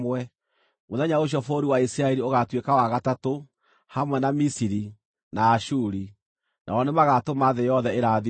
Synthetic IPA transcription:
wɛ | moðɛɲaoɕ̬jɔfoɾiwaisiɾaɛɾioɣatwekawaɣatato | hamwɛnamisiɾi | naːʃuɾi | nʔa̰ɔnemaɣatomaðejɔðɛeɾaði

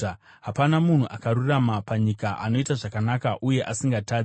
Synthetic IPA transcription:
ɦapanamun̤uʔakaɾuramapaɲikaʔano̞itaʐakanakaʔuje̞ʔasiŋɡataːd͡z

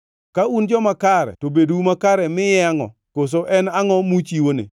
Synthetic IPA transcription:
kaund͡ʒɔmakaɾɛ̰tobedumakaɾɛmɪjɛaŋɔ̰ | kos̬oʔɛnaŋɔmut͡ʃiwonḛ

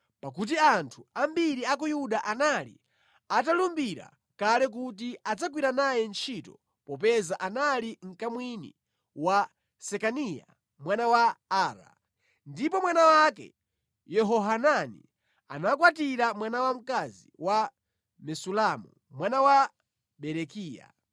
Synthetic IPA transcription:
pak̬ut̬iantʰuambiɾiak̬ɔjuɗaʔanalḭ | atalumbiɾa̰ | kalɛk̬ut̬iad͡zak̬wiɾanajɛnt͡ʃʰitɔ | pɔp̬ɛzaʔanaliŋ̩kamwinḭ | wa | sɛkanija̰ | mwanawaaːɾa̰ | ndipɔmwanawakɛ̰ | jɛɦɔɦananḭ | a̰nakwatiɾamwanawam̩kaziwa | mɛsulamu | mwanawa | ɓɛɾɛkiːja̰

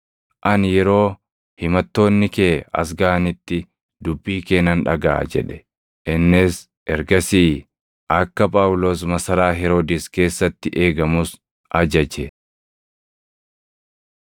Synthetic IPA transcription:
ʔɐnjɛɾo̞ː | hɪmɐt̪ːo̞ːnːɪkeːɐ̰s̬ɡaːnɪt̪ːɪ | d̪ʊbːiːkeːnɐnᶑɐ̰ɡa̰ːd͡ʒɛ̰ᶑɛ̥ | ʔɪnːɪs | ʔɛɾɡɐsiː | ʔɐkːɐpʼaːwʊlo̞ːsmɐsɐɾaːɦɛɾoːd̪iske̞ːsːɐt̪ːɪʔe̞ːɡɐmʊs | ʔɐd͡ʒɐd͡ʒɛ

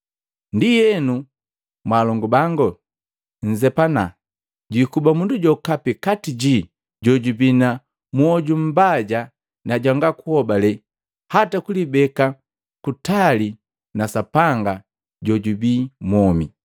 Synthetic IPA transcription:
ndijɛnu | mwalɔŋɡubaŋɡɔ | ɲ̩zɛpana | ɟuikubamunduɟɔkapikatiɟi | ɟɔɟubina | mwɔɟum̩baɟa | naɟaŋɡakuhɔbalɛ | hatakulibɛka | kutali | nasapaŋɡa | ɟɔɟubiːmwɔmḭ

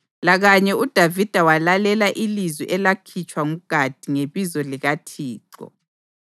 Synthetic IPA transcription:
laɣaɲɛud̥ʱavid̥ʱawalalɛlaʔilizwḭʔɛlakʰit͡ʃʼwaŋuɡ̥ʱad̥ʱiŋeβizɔliɣatʰiːǀɔ̰

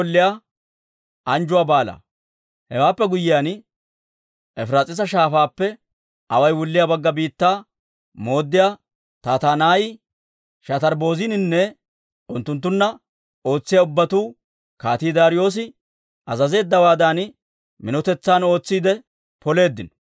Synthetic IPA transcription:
lːɪja | ʔɐnd͡ʒʊwaːbaːla̰ː | hɛwaːpːɛɡʊjːɪjaːn | ɛfɾaːt͡sʼɪs̬ɐʃaːfaːpːɛ | ʔɐwɐjwʊlːɪjabɐɡːɐbiːt̪ːaː | mo̞ːd̪ːɪjaː | t̪aːt̪aːnaːj | ʃɐt̪ɐɾbo̞ːzɪnɪnːɛ | ʊnt̪ːʊnt̪ːʊnːɐ | o̞ːt͡sːɪjaʊbːɐt̪uː | kaːt̪iːd̪aːɾɪjo̞ːs̬ɪ | ɐzɐze̞ːd̪ːɐwaːd̪an | mɪnɔt̪ɛt͡sːaːno̞ːt͡sːiːd̪ɛ | pɔle̞ːd̪ːɪnɔ̥

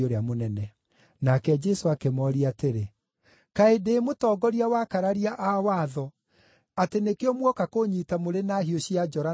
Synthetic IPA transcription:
oɾeamonɛnɛ | nakɛd͡ʒɛsoakemɔɾiateɾe | kaedeːmotɔːɡɔɾiawakaɾaɾiaʔawaːðɔ | atenekeɔmwɔkakoɲitamoɾenahioɕiad͡ʒɔɾa

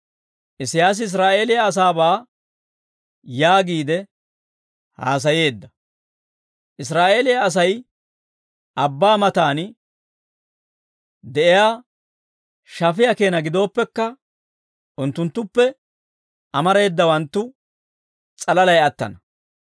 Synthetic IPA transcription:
ʔɪsɪjaːs̬ɪɪs̬ɾaːʔe̞ːlɪjaːs̬aːbaː | jaːɡiːd̪ɛ | ha̰ːs̬ɐje̞ːd̪ːɐ | ʔɪs̬ɾaːʔe̞ːlɪjaːs̬ɐj | ʔɐbːaːmɐt̪aːn | d̪ɛʔɪjaː | ʃɐfɪjɐke̞ːnɐɡɪd̪o̞ːpːɛkːɐ | ʔʊnt̪ːʊnt̪ːʊpːɛ | ʔɐmɐɾe̞ːd̪ːɐwɐnt̪ːʊ | t͡sʼɐlɐlɐjɐt̪ːɐ̰nɐ

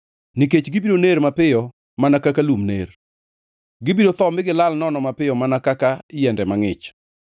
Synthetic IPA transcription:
niket͡ʃɡibidonermapɪjɔ | manakakalumnḛr | ɡɪbidot̪ɔmɪɡɪlalnɔnɔmapɪjɔmanakakaɪjɛndɛmaŋɪt͡ʃ

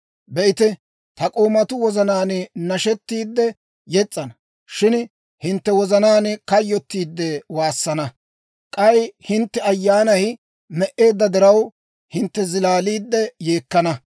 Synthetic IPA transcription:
bɛʔɪt̪ɛ | t̪ɐkʼo̞ːmɐt̪ʊwɔzɐnaːnnɐʃɛt̪ːiːd̪ːɛ | jɛt͡sʼːɐnɐ | ʃɪn | hɪnt̪ːɛwɔzɐnaːnkɐjːɔt̪ːiːd̪ːɛwaːsːɐnɐ | kʼɐjhɪnt̪ːɛɐjːaːnɐj | mɛʔe̞ːd̪ːɐd̪ɪɾɐw | hɪnt̪ːɛzɪlaːliːd̪ːɛje̞ːkːɐnɐ

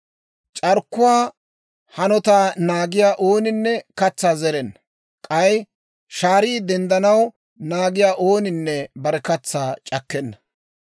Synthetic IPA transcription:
t͡ʃʼɐɾkːʊwaː | hɐnɔt̪aːnaːɡɪjaːʔoːnɪnːɛkɐt͡sːaːzɛɾɛnːɐ | kʼɐj | ʃaːɾiːd̪ɛnd̪ɐnɐw | naːɡɪjaːʔoːnɪnːɛbɐɾɛkɐt͡sːaːt͡ʃʼɐkːɛnːɐ

